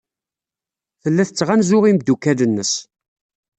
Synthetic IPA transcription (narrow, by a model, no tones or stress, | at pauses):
θəlːæθət͡sːʁænzʊʁimd̪ːukːælənːəs